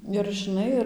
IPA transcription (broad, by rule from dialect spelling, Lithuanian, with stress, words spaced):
ɪr ʒʲɪˈnɐɪ ɪr